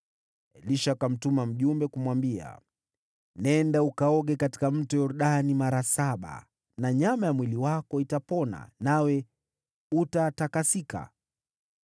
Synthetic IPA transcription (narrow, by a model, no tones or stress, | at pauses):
liʃakam̩tumam̩ʄumbɛkumwambia̰ | nɛndaukaɔɠɛkati̥kam̩tɔjɔɾuɗanimaɾasaɓa̰ | naɲamajamwiliwakɔitapɔna̰nawɛ | utatakasika̰